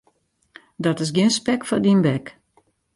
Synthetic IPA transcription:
dɔtɪs̬ɡɪnspɛkfɔdinbɛk

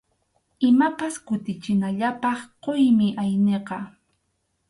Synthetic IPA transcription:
ɪmapaskʊt̪ɪt͡ʃɪnaʎapɑχqojmɪʔajneqɑ

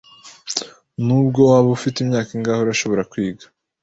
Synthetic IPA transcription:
nubɡo̞waβufitimɲaːkiŋɡaːhoɾaʃo̞βo̞ɾakwiːɡḁ

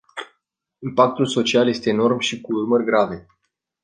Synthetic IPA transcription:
impak̚t̪ulso̞t͡ʃialje̞st̪e̞ːno̞rmʃikuurmərʲɡɾave̞

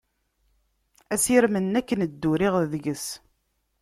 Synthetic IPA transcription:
æsiɾmənːækːənəd̪ːuɾiʁðəʝəs

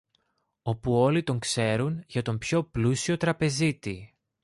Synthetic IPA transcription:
o̞puo̞lit̪o̞ŋkse̞ɾunʝɐt̪o̞mpço̞plusio̞t̪ɾɐpe̞zit̪i

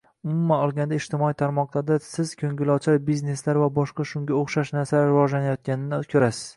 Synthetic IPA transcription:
ʊmʊmːanɒlˠɡʲand̪aɪʃt̪ʰɪmɒijt̪ʰaɾmɒqlˠaɾd̪asɪz̥kʲʰɵŋɡʲɪlɒt͡ʃʰaɾbizne̞slaɾvabɒʃqɑʃʊŋɡʲaoχʃaʃnaɾsalaɾɪvɒd͡ʒlanajɒt̪̚kʲanɪnɪkʰʲɵɾasɪ̥z̥

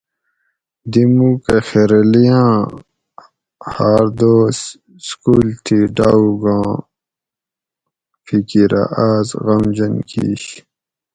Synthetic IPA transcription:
d̪imuːkexeɾelijãː | haːɾd̪oːs | skuːlt̪ʰiɖaːuɡãː | fʰikiɾa̰ʔaːzɣɐmd͡ʑɐnkḭːɕ

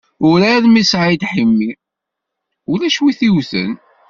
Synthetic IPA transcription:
ʊɾaðmisʕid̪ħimːi | ʊlæʃwiθiwθə̰n

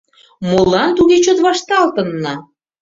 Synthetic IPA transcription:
molɑnt̪uɣet͡ɕot̪βɑʃt̪ɑlt̪ə̆nːɑ

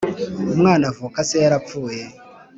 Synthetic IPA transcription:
mwanavokaseɾap̪p͡fuːje

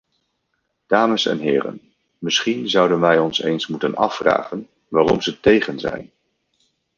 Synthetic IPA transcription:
d̥aːməsɛ̰nɦɪːrə̰n | mɪsχinzʌwdənʋɛjɔnsejnsmutənɑ̰fra̰ːχən | ʋaːrɔ̰mzətejχənzɛ̰jn

